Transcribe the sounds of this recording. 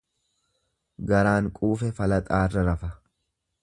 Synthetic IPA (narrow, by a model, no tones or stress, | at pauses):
ɡɐɾaːŋkʼuːfɛfɐlɐt̪ʼaːrːɐɾɐfɐ